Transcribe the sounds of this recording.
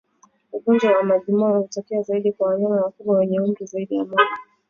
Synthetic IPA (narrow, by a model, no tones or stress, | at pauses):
ukɔnzɔwamaʄimaauutɔkɛazaiɗikwawaɲanawakuɓwawɛɲɛumɾizaiɗijamala